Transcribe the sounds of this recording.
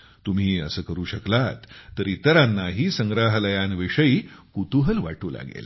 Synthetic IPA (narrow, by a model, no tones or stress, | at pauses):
t̪um̤iːə̰səːkəɾuːɕəklat̪ːəɾiːt̪əɾanːaɦiːsəŋɡɾaɦləjanʋiʂəiːkut̪uɦəlʋa̰ʈuːla̰ɡḛl